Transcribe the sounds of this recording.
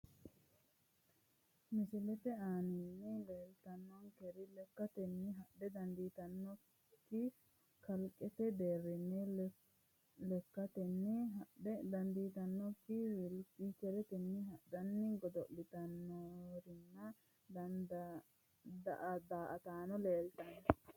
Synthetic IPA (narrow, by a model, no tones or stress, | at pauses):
mɪsɪlɛt̪ɛaːnɪnːɪleːlt̪ɐnːɔnkɛɾɪlɛkːɐt̪ɛnːɪɦɐɗɛd̪ɐnd̪iːt̪ɐnːɔ | kkːɪ | kɐlkʼɛt̪ɛd̪eːɾːɪnːɛ | lɛkːɐt̪ɛnːɪɦɐɗɛd̪ɐnd̪iːt̪ɐnːɔkːɪwɪlpikɛɾɛt̪ɛnːɪɦɐd̪ɐnːɪɡɔd̪ɔʔlɪt̪ɐnːoɾɪnːɐ | d̪ɐnd̪ | d̪ɐʔɐd̪aːʔɐt̪aːnɔleːlt̪ɐnːɛ